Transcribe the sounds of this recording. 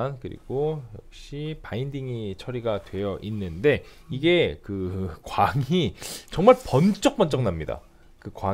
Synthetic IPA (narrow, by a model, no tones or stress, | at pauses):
nkɯɾḭɡ̥ojʌk̚ɕ͈ipaindiŋit͡ɕʰʌɾiɡatwe̞jʌʔinːɯnde̞ | iɡe̞kɯkwaŋit͡ɕʌŋmaɭpʌnt͡ɕ͈ʌk̚p͈ʌnt͡ɕ͈ʌŋnamɲida̰ | kɯkwa